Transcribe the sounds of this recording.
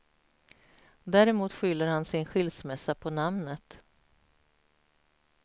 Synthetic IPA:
d̪æːɾɛmuːt̪ɧʏlːəɾhansɪnɧɪlsmɛsːapʰɔnamnət̪

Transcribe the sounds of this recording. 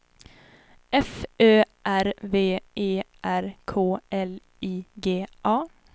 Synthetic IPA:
ʔɛføːʔæɾveːeːʔæɾkʰoːɛl | iːɡeːʔɑː

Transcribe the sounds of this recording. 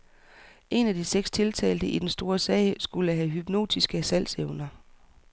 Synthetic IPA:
ʔe̝næd̥iseɡ̥st͡sʰe̝lt͡sʰɛ̰ːld̥əʔid̥ensd̥o̝ːɐsɛ̰ːɪsɡ̥uləɦæɦyb̥no̝̰ːd̥isɡ̥əsæl̰seʊnɐ

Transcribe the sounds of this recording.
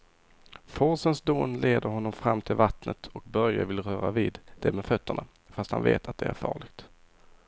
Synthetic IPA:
fɔɾsənsd̪oːnleːd̪əɾɦɔnːɔmfɾamːt̪ʰɪlvat̪nət̪ɔk̚bœɾja̰vɪlɾœːɾaviːd̪d̪̥ɛmɛfœt̪ʰːəɳa | fast̪ha̰nvḛːt̪ʰat̪̚d̪ɛæɾfɑ̰ːɭɪɡt̪

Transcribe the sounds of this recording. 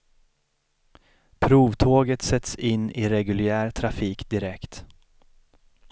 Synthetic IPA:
pʰɾuːvt̪ʰoːɡət̪sɛt̪sɪnːɪɾɛɡɵlɪæːɾt̪ʰɾafiːkd̪ɪɾɛkt̪

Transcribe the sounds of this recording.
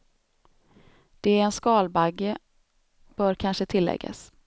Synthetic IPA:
d̪̥ɛæɾɛnskɑːlbaɡːə | b̥œːɾkʰanʂət̪ʰɪlːɛ̰ɡːa̰s

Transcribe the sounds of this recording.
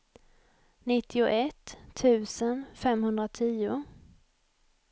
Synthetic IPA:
nɪt̪ːɪʊʔɛt̪ʰːʉ̟ːsənfɛmhɵnd̪ɾat̪ʰiːʊ

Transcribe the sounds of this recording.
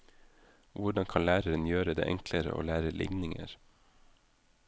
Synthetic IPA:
ʋʊɖɑŋkʰɑnlæːɾəɾənjøːɾəd̪ḛːʔɛŋkləɾə̰ʔo̰ːlæːɾəlʔɪ̰ŋnɪŋə̰ɾ

